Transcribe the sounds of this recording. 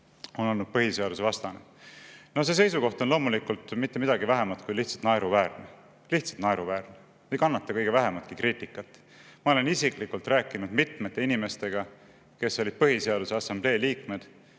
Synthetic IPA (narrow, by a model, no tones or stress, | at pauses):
o̞no̞lnud̪̥̚pɤɦise̞ɑd̪usevɑst̪ɑne | no̞se̞s̬e̞jsuko̞ht̪o̞nlo̞ːmulikult̪ˑmit̪ːe̞mid̪̥ɑɡivæɦemɑt̪kujliht̪sɑ̥t̪nɑeɾuvæːɾne | liht̪sɑlt̪nɑeɾuvæːɾne | ejkɑnːɑt̪ːɑkɤjɡ̥e̞væɦe̞mɑt̪kikɾiːt̪ːˑikːˑɑt̪ˑː | mɑo̞le̞nisiklikult̪ræːkːˑinud̪mit̪me̞t̪ːˑeinime̞st̪e̞ɡ̥ɑ | ke̞sːo̞lʲid̪̥̚pɤɦise̞ɑd̪use̞ɑsɑmb̥le̞ːliːkme̞d̪̥